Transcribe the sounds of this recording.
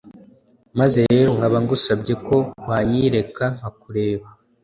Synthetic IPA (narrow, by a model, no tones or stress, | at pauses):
maze̞ɾe̞ːɾoŋɡaβaŋɡusabɟe̞ko̞waɲiɾe̞kaŋakuɾe̞ːβa